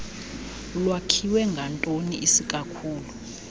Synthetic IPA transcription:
ulwakʰiwɛŋɡʱantʼoniʔisikʼakʰuːlu

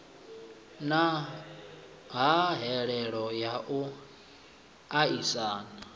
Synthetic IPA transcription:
na | ɦaɦɛɺɛɺɔjaʔu | aisaːna

